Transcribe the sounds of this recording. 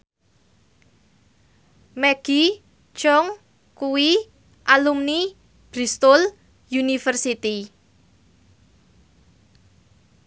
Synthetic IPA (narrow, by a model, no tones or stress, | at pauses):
mɛɡ̥i | t͡ʃɔŋ | kuwi | ʔalumni | b̥ɾist̪ɔl | junifərsit̪i